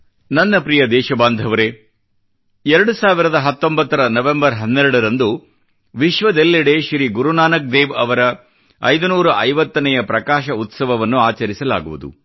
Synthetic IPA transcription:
nɐnːɐpɾijɐd̪ɛːʃɐbaːnd̪ʱɐʋɐɾe | ɛɾɐɽusaːʋiɾɐd̪ɐɦɐt̪ːo̞mbɐt̪ːɐɾɐnɐʋembɐɾɦɐnːɛɾɐɽɐɾɐnd̪u | ʋiʃʋɐd̪elːiɽeʃɾiɡuɾunaːnɐk̚d̪eːʋɐʋɐɾɐ | ɐ̰jd̪unuːɾuʔɐjʋɐt̪ːɐnɐjɐpɾɐkaːʃɐut̪sɐʋɐʋɐnːuaːt͡ʃɐɾisɐla̰ːɡuʋud̪ṵ

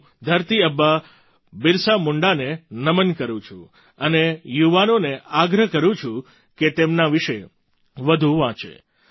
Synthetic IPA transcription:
d̪ʱəɾt̪iəbːa | bɪɾsamʊɳɖanenəmənkəɾũt͡ʃʰṵ̃ | ənejuʋanoneaɡɾəɦkəɾũt͡ʃʰũ | ket̪emnaʋiʃe | ʋəd̪ʱũʋãt͡ʃḛ

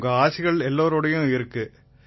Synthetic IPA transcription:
ŋɡɐaːsɪɣɐɭɛlːoːɾoːɽɐjʊ̃ɪɾɯkːɯ

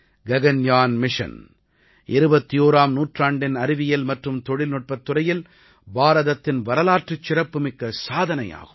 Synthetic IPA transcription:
ɡɐɣɐnjaːnmɪʂɐ̰n | ʔɪɾɯbɐt̪ːijoːɾaːmnuːʈraːɳɖɪnɐɾɪʋɪjɐlmɐʈrɯmt̪ɔɽɪlnɔʈ̚pɐt̪ːɯrɐjɪl | baːɾɐðɐt̪ːɪnʋɐɾɐlaːʈrɯt͡ʃːɪrɐpːɯmɪkːɐsaːðɐnɐja̰ːɣɯ̥mm

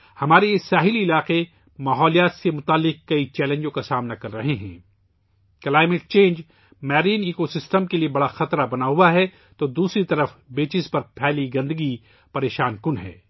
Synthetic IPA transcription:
hɐmaːɾejeːsaːɦɪliɪlaːqe | maːɦɔːlijaːt̪semʊt̪aːlːɪq̚kɐit͡ʃɛːlẽːɲd͡ʒõkasaːmnakɐɾːɐɦeɦɛ̰̃ː | kɐlaːɪmɪʈ̚t͡ʃẽːnd͡ʒ | mɛːɾiːniːkosɪsʈəmkeliebɐɽaxɐt̪ɾabɐnaɦuaɦɛ | t̪oːd̪uːsɾit̪ɐɾəfbeːt͡ʃɪspɐɾpʰɛːliɡɐ̃nd̪əɡi | pɐɾeːʃaːnkʊnɦɛ̰ː

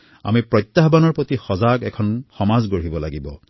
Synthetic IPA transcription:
a̰mipɹɔjt̪ːaɦbanɔɹpot̪ixɔzaɡɛkʰɔnxɔmazɡoɹ̤ibɔlaɡibɔ̰

